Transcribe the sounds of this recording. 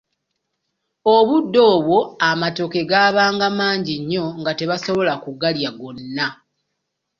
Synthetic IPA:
oβudːo̞ːβwo̞amato̞ke̞ɡaːβaːŋɡamaːɲɟiɲːo̞ŋɡate̞βaso̞βo̞lakuɡaljaɡo̞nːa

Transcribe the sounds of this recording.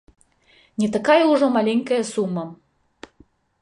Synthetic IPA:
nʲɛt̪akajɐuʐɔmalʲeŋʲkɐjɐsumːɐ

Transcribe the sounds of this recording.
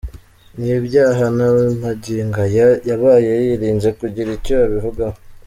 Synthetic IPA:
nibjaːɦanamaɟiŋɡajaβaːje̞jiɾiːnzekuɟiɾicojaβivuɡah

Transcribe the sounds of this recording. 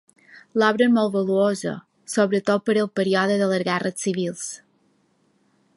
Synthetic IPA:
lɔβɾəmolˠt̪βəluozə̰ | soβɾət̪ot̪̚pəɾəlˠpəɾiɔðəðələzɣɛrətsiβilˠs

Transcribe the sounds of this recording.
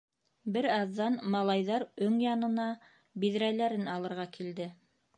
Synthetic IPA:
bɘɾɑðːɑnmɑlˠɑjðɑɾɵŋjɑnɤ̆nɑ | bið̆ɾælæɾɘnɑlˠɤ̆ɾʁɑkʰild̪ɘ

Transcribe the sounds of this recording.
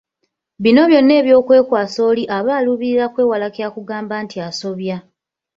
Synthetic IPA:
βino̞βjo̞nːe̞ːβjo̞ːkwe̞ːkwaːso̞ːliʔaβaːluβiɾiɾakwe̞ːwalakakuɡaːmbaːntʰiaso̞βja

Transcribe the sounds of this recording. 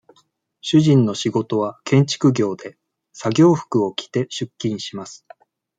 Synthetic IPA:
ɕɨʑĩnːo̞ɕiɡo̞t̪o̞β̞akẽ̞ɲ̟t͡ɕi̥kɯ̟ɡʲo̞ːd̪e̞ | saɡʲo̞ːɸɯ̟̥kɯ̟o̞kʲʰi̥t̪e̞ɕɨkʲːĩɰ̃ɕimasɨ̥

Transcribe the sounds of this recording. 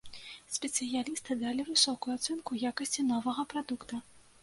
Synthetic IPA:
sʲpʲɛt̪sɨjalʲist̪ɨd̪alʲivɨsɔkujuat̪sɛnkujakɐsʲt͡sʲinɔvɐɣɐpɾad̪ukt̪ɐ

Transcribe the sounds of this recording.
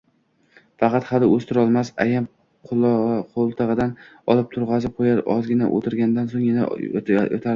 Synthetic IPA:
fɑqʰɑt̪hɑlɪɵst̪ʰɪɾɒlˠmasa̰jam | qʰʊlqʰolˠt̪ʰɨʁɨd̪an | ɒlˠɪp̚t̪ʰʊɾʁɑzɪqʰojaɾɒzɡʲɪna̰ʔo̰t̪ʰɪɾɡʲand̪ansoŋjɪna̰o̰t̪ʰaɾ

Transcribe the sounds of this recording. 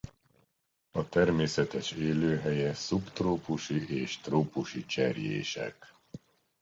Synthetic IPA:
ɒt̪ɛrmeːsɛt̪ɛʃeːløːɦɛjɛsupt̪roːpuʃiʔeːʃt̪roːpuʃit͡ʃɛrjḛːʃɛ̰k

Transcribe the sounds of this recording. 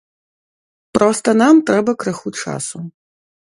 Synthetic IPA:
pɾɔst̪ɐnamt̪ɾɛbɐkɾɨxut͡ʂa̰su

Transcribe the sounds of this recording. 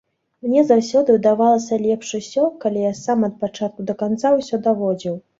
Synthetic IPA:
mnʲɛzawsʲɔd̪ɨwd̪avalˠɐsʲɐlʲɛpʂɨsʲɔkalʲijasamɐt̪̚pat͡ʂat̪̚kud̪ɐkant̪sawsʲɔd̪avɔd͡zʲiw

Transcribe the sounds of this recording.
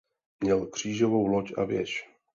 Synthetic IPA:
mɲɛlkr̝̥iːʒovo̞wlocʔa̰vjɛ̰ʃ

